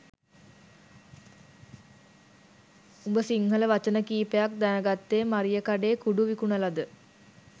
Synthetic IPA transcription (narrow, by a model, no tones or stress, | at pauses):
umbəsiŋhələʋat͡ʃənəkiːpejak̚d̪anəɡat̪ːeːmaɾijəkaɖeːkuɖuʋikunəlad̪ə